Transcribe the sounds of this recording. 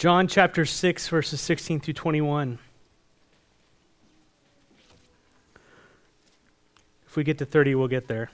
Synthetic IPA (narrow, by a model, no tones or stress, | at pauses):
d̥ʒ̥ɑ̃nt͡ʃʰæp̚tə̥˞sɪksvɜ˞sɨz̥sɪkstʰĩnθɹʉtʰw̥ɛ̃ɾ̃iwʌ̃n | ɨfwiɡɛt̪ɨθɜ˞ɾiwɪlˠɡɛt̪̚ðə˞